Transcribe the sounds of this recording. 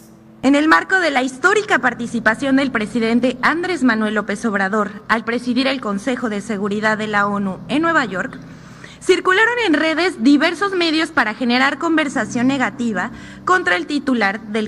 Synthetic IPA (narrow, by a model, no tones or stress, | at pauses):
e̞ne̞lmaɾko̞ðe̞laist̪o̞ɾikapaɾt̪isipasjo̞nd̪e̞lpɾe̞siðe̞nt̪e̞and̪ɾe̞zmãnwe̞lːo̞pe̞so̞βɾað̞o̞ɾalpɾe̞siðiɾe̞lko̞nse̞xo̞ðe̞se̞ɣ̞uɾiðaðːe̞lao̞nue̞nːwe̞βaʝo̞ɾk | siɾkulaɾo̞ne̞nre̞ðe̞zðiβe̞ɾso̞zme̞ðjo̞spaɾaxe̞ne̞ɾaɾko̞mbe̞ɾsasjo̞nːe̞ɣat̪iβ̞a | ko̞nt̪ɾae̞lt̪it̪ulaɾðe̞